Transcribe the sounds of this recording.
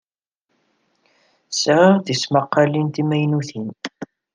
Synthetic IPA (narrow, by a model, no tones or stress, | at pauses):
sʁɪʁθismɑqːɑlint̪imæjnuθin